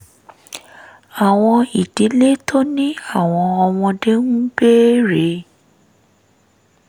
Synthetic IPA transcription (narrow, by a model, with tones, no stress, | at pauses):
a˨w̃ɔ̃˧i˨di˨˦le˦to˦nĩ˦a˦˨w̃ɔ̃˧ɔ˧w̃ɔ̃˧de˦nũ˦be˦ɾe˨˦